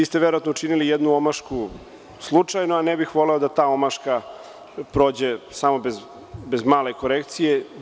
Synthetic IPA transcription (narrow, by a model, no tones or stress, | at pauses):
iːst̪eʋeɾoat̪nout͡ʃinilijed̪nuomaʃku | slˠut͡ʂajnoanebixʋo̞leod̪at̪aːo̞maʃka | pɾo̞ːd͡ʑesamo̞bez | bezmaːleko̞ɾekt̪sije